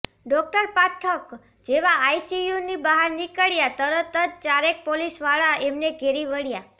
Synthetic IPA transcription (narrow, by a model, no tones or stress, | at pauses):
ɖɔk̚ʈəɾpaʈʰək | d͡ʒeʋaːjsijunibaɦaɾnikəɭjat̪əɾət̪əd̪̚t͡ʃaɾek̚polisʋaɭaemneɡʱeɾiʋəɽja